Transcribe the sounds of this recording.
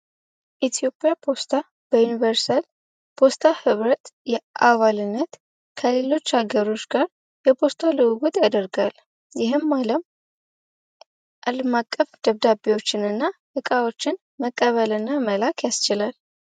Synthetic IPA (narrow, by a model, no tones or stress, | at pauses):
ʔit̪ʰijo̞pʼjapʰo̞st̪ʰa | b̥əjunivəɾsal | pʰo̞st̪ʰahɨβɾət̪jɛʔaβalɨnːət̪ | kʰəle̞lo̞t͡ʃːhaɡəɾo̞t͡ʃːɡaɾ | jɛpʰo̞st̪ʰalɨwɨɡut̪ʼjad̪əɾɡal | jɪɦɨmːaləm | ʔaləmakʼːəfd̪̥əβd̪abewo̞t͡ʃːɪnɨnːaʔɨkʼawo̞t͡ʃːɪn | məkʼːəβəlɨnːaməlakʰjast͡ʃɪlal